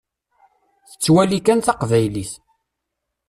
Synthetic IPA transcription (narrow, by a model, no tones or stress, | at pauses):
θə̥t͡sːwælikænθɑqvæjliθ